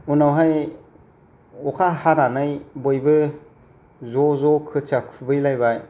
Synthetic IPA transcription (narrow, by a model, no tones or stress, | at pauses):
unawɦaj | ɔkʰahaɾanɯjbojbɯ | zɔzɔkʰɯt͡ʃakʰɯbɯjlajbaj